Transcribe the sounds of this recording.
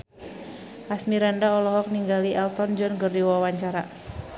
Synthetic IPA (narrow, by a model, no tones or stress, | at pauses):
ʔasmiɾandaɔlɔɦɔk̚niŋɡaliɛlt̪ɔnd͡ʒɔnɡəriwawaɲt͡ʃaɾa